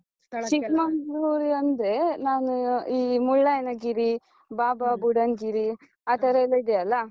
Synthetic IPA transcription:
t͡ʃikmɐɦɾuːɾiɐnd̪ɾe̞naːnuiːmuɭːɐɐnɐɡiɾi | baːbɐbuɽɐnɡiɾi | aːt̪ɐɾɐɛlːɐid̪eɐlːɐ

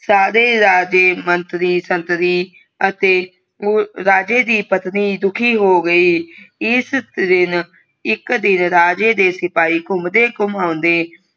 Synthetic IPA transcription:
saːɾeːɾaːd͡ʒeːmənt̪ɾiːsənt̪ɾiː | ət̪eː | oːɾaːd͡ʒeːd̪iːpət̪niːd̪ʊkʰiːɦoːɡəiːɪsd̪ɪn | ɪkd̪ɪnɾaːd͡ʒeːd̪eːsɪpaːiːkʊmd̪eːkʊmãːʊnd̪eː

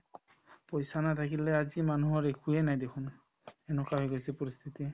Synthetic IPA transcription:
pojsanatʰakilɛazimanuɦɔɹekʰujɛnajdekʰun | ɛnɔkaɦojɡasipɔɾist̪ʰiti

